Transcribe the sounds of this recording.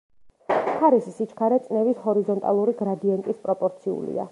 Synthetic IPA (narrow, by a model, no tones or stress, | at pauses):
χʰaɾissit͡ʃʰkʰaɾɛt̪sʼnɛvishɔɾizɔnt̪ʼa̰lˠuɾiɡɾad̪iɛnt̪ʼispʼɾɔpʼɔɾt̪sʰiṵlḭa̰